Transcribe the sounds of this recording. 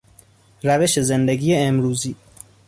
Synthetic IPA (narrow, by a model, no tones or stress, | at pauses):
ɾæve̞ʃe̞zend̪eɡiːjeemɾuːziː